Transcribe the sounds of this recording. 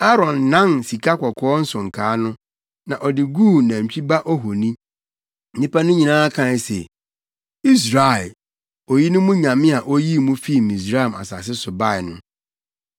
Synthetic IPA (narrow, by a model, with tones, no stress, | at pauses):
a˦ɾɔ̃˨nːã˦nsi˨kʰa˦kʰɔ˨kʰɔ˦ɔ˦n̩˦sʊ̃˨ŋ̩˨kʰaː˨˦nʊ̃˦ | nã˨ʔɔ˨dɪ˨ɡu˦˨nã˨t͡ɕᶣi˦ba˦ʔɔ˦ɦo˨nĩ˦ | nɪ̃˦pa˦nʊ̃˦ɲĩ˨nãː˦a˦kʰã˦˨sḛ˨ | i˦s̬ɾa˨ɪ˨ | ɔ˨ji˦nʊ̃˦mũ˦ɲã˨mɪ̃˦a˨ʔo˦ji˦mũ˦fi˦˨mĩ˨s̬ɾa˦ɛ˨ma̰˨sa̰˨s̬ɪ˦sʊ˨ba˦˨ɪ˨nʊ̃˦